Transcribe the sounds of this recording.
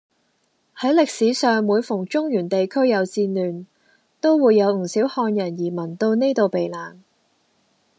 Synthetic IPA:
hɐ˨˥jlɪ˨k̚siː˨˥sœː˨ŋwuː˨˧jfʊ˨˩ŋt͡ʃʊ˥ŋjyː˨˩nt̪e˨jkʰɵ˥ɥjɐ˨˧wt͡siː˧nyː˨˩n | t̪o˥wwuː˨˧jːɐ˨˧wŋ̩˨˩siː˨˥whɔː˧njɐ˨˩njiː˨˩mɐ˨˩nt̪o˧wne˥jt̪o˨wpe˨jlaː˨˩n

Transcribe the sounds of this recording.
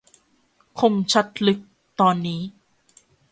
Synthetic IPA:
kʰo˧mt͡ɕʰa˦˥t̪̚lɯ˦˥k̚ | t̪ɔː˧nːiː˦˥

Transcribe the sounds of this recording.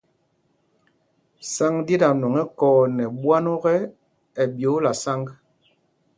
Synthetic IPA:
sa˦ŋde˦da˨nɔ˨ŋɛ˦kɔː˦nɛ˨bwa˦nɔ˦ɣɛ˦ | ɛ˨bjo˨˦la˨sa˦ŋɡ

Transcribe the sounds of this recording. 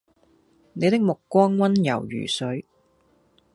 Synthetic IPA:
ne˨˧jt̪ɪ˥k̚mʊ˨kːʷɔː˥ŋwɐ˥njɐ̰˨˩wjy̰ː˨˩sɵ˨˥ɥ

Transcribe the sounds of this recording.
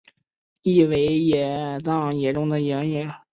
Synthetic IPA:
i˥˩we˧˥ɪjɛ˨˩t͡sɑ˥˩ŋjɛ˨˩ʈ͡ʂʊ˥ŋd̪ə˨jɛ˧˥ŋjɛ˧˥

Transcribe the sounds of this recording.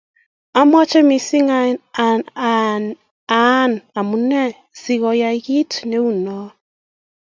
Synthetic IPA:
a˦m˦ɔ˦t͡ʃɛ˦mi˨si˦ŋa˦˨ | a˨˦na˨mu˨nɛ˦ | si˨ɣɔ˨ja˨˦ɣi˦tne˨˦u˨nɔ˨˦

